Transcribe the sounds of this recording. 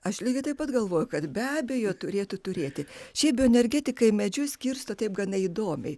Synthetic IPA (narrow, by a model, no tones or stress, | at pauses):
ɐʃlʲiːɡʲɪt̪ɐɪpɐt̪ɡɐlˠʋoːjʊkɐt̪bʲæːbʲejoːt̪ʊɾʲeːt̪ʊt̪ʊɾʲeːt̪ʲɪʃʲɛɪpbʲioɛnʲɛɾʲɡʲæːt̪ʲɪkɐɪmʲɛd͡ʒʲʊsʲkʲiɾst̪oːt̪ɐɪp̚ɡɐnɐid̪oːmʲɛɪ